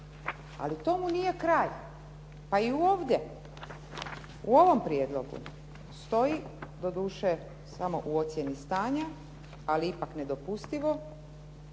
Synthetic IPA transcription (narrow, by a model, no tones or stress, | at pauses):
a̰lit̪o̞munije̞kɾaːj | paiuo̞ːʋd̪ʲje̞ | uo̞ʋo̞mpɾjed̪lˠo̞ɡṵ | st̪o̞id̪o̞d̪uːʃe | samo̞ʔuo̞t̪sje̞nist̪aːɲa | aliipakne̞d̪o̞pust̪iʋo̞